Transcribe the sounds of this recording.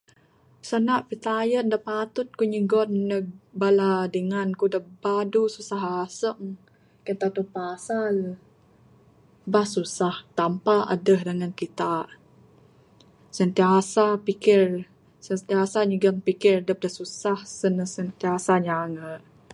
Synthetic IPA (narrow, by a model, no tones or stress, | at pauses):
sənaʔpit̪ajəndəpat̪ʊt̪̚kuɲəɡɔnːəbaladəŋankudəbadususaɦasəŋ | kənt̪at̪upasal | bahsusaht̪ampaʔa̰dəhdəŋankit̪aʔ | sənt̪iasapikɪr | sənt̪iasaɲəɡəŋpikɪrdəp̚dəsusahsənəsənt̪iasaɲaŋəʔ